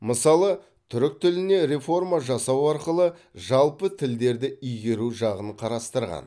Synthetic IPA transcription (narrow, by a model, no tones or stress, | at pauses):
məsɑlˠə | t̪ʰʏɾɪk̚t̪ʰɪlɪne̞ɾe̞fo̞rmaʒɑsɑwɑɾqəlˠə | ʒɑlˠpət̪ʰɪld̪e̞ɾd̪ɪʏjɡʲe̞ɾuʒɑʁənqʰɑɾɑst̪əɾʁɑ̰n